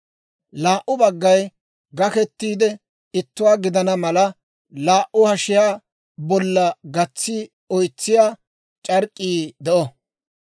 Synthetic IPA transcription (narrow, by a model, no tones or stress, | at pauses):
laːʔːʊbɐɡːɐj | ɡɐkɛt̪ːiːd̪ɛ | ɪt̪ːʊwaːɡɪd̪ɐnɐmɐlɐ | laːʔːʊhɐʃɪjaː | bɔlːɐɡɐt͡sːi | ɔjt͡sːɪjaː | t͡ʃʼɐɾkʼːiːd̪ɛʔɔ